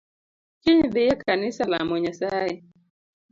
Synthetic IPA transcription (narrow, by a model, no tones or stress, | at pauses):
t͡ʃiɲðɪjɛkʰanisalamɔɲasaɛ